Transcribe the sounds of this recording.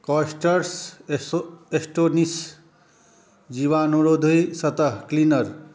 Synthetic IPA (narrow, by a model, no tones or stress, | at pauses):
kɔsʈəɾs | esʈonis | d͡ʒiʋanoɾod̪ʱujsət̪əɦklinəɾ